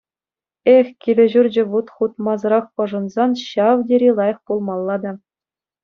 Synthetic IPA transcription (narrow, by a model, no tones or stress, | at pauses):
exʲkʲilʲɘ̆ʑurʲd͡ʑɘ̆ʋut̪χut̪mɑzɤ̆ɾɑχpɤ̆ʐɤ̆nzɑnɕɑʋdʲeɾʲilˠɑjɤ̆χpulˠmɑlˠːɑd̪ɑ